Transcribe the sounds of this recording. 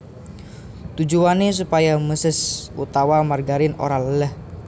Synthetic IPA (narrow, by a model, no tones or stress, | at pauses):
t̪ud͡ʒuwanes̬upajaməsɪsṵt̪awamarɡaɾɪno̰ɾalələh